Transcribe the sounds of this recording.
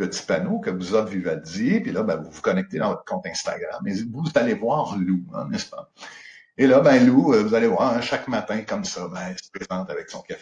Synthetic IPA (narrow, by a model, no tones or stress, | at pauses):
pət͡si̥panokəvuzɔt̪vivad͡zjepilʌbɛ̃vuvukɔnɛk̚t̪ed̪ɑ̃vɔt̪kɔ̃t̪ɛ̃st̪a̰ɡʁa̰mɛvuzalevwaːʁluɛ̰̃nɛspa | elʌbɛ̃luəvuzalevwaːʁɛ̃ʃakmat̪ɛ̃kʌmsʌbɛ̃ɛlsə̥pχezɑ̃t̪avɛksɔ̰̃kʲafe